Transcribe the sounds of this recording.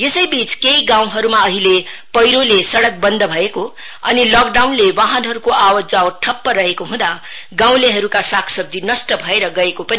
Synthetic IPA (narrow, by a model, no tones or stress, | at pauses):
jesʌjbit͡skejɡãw̃ɦʌɾumaʌɦilepʌjɾolesʌɽʌk̚bʌnd̪ʱʌbʱʌeko | ʌnilʌk̚ɖawnlewaɦʌnɦʌɾukoʔawʌd͡zawʈʰʌpːʌɾʌɦekoɦũd̪a | ɡãw̃leɦʌɾukasakʰsʌb̚d͡z̪inʌsʈʌbʱʌeɾʌɡʌekopʌni